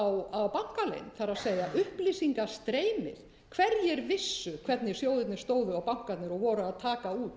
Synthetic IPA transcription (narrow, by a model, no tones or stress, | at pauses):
wawpawŋ̥kalḛjnθaɾaðseːjaʔʏhplisiŋkast̪ɾeːjmɪ̰θ | kʰvɛɾjɛɾvɪsːʏkʰvɛt̪nɪ̥sjoːwðɪt̪nɪɾ̥st̪oːwðʏawpawŋ̥kat̪nɪɾɔɣvɔːɾʏaðt̪ʰaːkauːt̪